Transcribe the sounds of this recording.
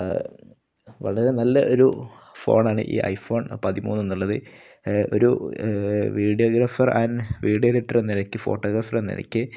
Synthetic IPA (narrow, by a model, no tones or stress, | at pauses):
ʋɐ̰ɭɐɾe̞nɐlːɐʔo̞ɾu | fo̞̰ːɳaːɳɨ̰ʔḭːʔɐ̰jfo̞ːɳpɐðimṵːnːenːuɭːɐðɨ | o̞̰ɾṵ | ʋiːɽijoːɡɾaːfɐrʔaːnʋiːɽijoleʈːɐrenːiɾɐkʲːɨfo̞̰ːʈːoːɣɾaːfɐrenːḭɾɐ̰kʲːɨ